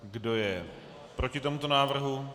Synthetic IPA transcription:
ɡdo̞jɛ | pɾo̞cɪt̪o̞mut̪o̞naːvr̩ɦu

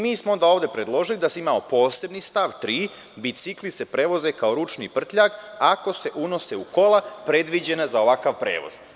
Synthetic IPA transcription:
miːsmoond̪aoːʋd̪e̞pɾe̞d̪lˠo̞ʒilid̪asimaopo̞ːse̞bnist̪aʋt̪ɾiː | bisiklise̞pɾe̞ːʋo̞zekaoɾut͡ʃnḭːpr̩t̪ʎakako̞se̞ʔuno̞se̞uko̞lˠapɾe̞d̪ʋid͡ʑe̞nazao̞ʋakaʋpɾeːʋo̞̰z̥

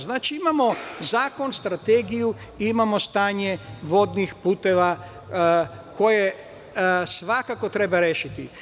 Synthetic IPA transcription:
znaːt͡ʃiimamo̞zaːko̞nst̪ɾat̪eːɡiju | iimamo̞st̪aːɲe̞ʋo̞d̪nixpuːt̪e̞ʋa | ko̞je | sʋakako̞t̪ɾe̞baɾeːʃit̪i

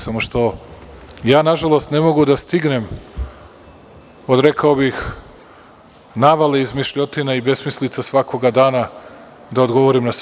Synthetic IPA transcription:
samoʃt̪o̞ | jaːnaʒalˠo̞st̪ne̞mo̞ɡud̪ast̪iɡne̞m | o̞d̪ɾe̞kʰaobix | naʋaleizmiʃʎo̞t̪inaibe̞smislit̪sasʋakʰo̞ɡad̪aːna | d̪ao̞d̪ɡo̞ʋo̞ɾimnas

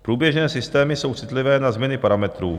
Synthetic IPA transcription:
pɾuːbjɛʒnɛːsɪst̪ɛːmɪso̞wt͡sɪt̪lɪvɛːnazmɲɛnɪpaɾamɛt̪ɾuː

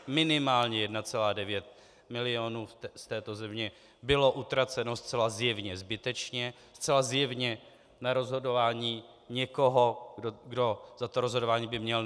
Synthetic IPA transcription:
mɪnɪmaːlɲɛjɛdnat͡sɛlaːdɛvjɛt̪ | mɪlɪonuːst̪ɛːt̪o̞zɛmɲɛ | bɪlo̞ʔut̪ɾat͡sɛno̞st̪t͡sɛlazjɛvɲɛzbɪt̪ɛt͡ʃɲɛ | st̪t͡sɛlazjɛvɲɛ | naɾo̞zɦo̞do̞vaːɲiː | ɲɛko̞ɦo̞ɡdo̞zat̪oɾozɦo̞dovaːɲiːbɪmɲɛl

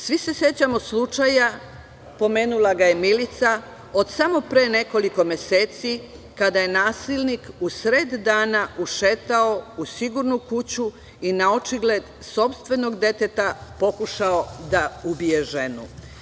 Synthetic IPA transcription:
sʋise̞sje̞t͡ɕamo̞slˠut͡ʃaja | po̞me̞ːnulˠaɡaje̞milit̪sa | o̞d̪samo̞pɾeːne̞ko̞liko̞mje̞se̞ːt̪si | kad̪aje̞naːsilnikusɾed̪ːaːnaʔuʃe̞t̪ao̞usiɡuɾnukut͡ɕu | inao̞t͡ʃiɡle̞d̪ | so̞pst̪ʋe̞no̞ɡd̪e̞t̪e̞t̪apo̞kuʃao̞d̪aubije̞ʒe̞nu

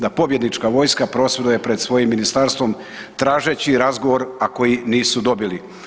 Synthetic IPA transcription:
d̪apo̞bje̞d̪nit͡ʃkaʋo̞jskapɾo̞sʋed̪uje̞pɾe̞d̪sʋo̞jimːinist̪aɾst̪ʋo̞m | t̪ɾaːʒet͡ɕiɾazɡo̞ʋo̞ɾako̞jiniːsud̪o̞bili

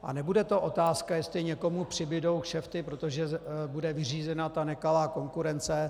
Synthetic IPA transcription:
ʔa̰nɛbudɛt̪o̞ʔo̞t̪aːskajɛst̪lɪɲɛko̞mupr̝̥ɪbɪdo̞wkʃɛft̪ɪpɾot̪oʒɛbudɛvɪriːzɛnat̪anɛkalaːko̞ŋkuɾɛnt͡sɛ

